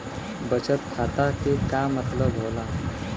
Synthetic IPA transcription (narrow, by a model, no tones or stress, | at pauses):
bət͡ɕət̪kʰat̪akikamət̪ləbɦola